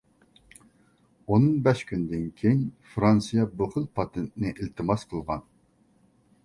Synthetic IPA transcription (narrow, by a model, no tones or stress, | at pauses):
onɨŋbɛʃkʲynd̪ɪnkʲʰeɲfɾɑnsɨjɑbʊχɨlˠpʰɑt̪ʰent̪ɪnɪʔilt̪ʰɨmɑsqʰəlˠʁɑn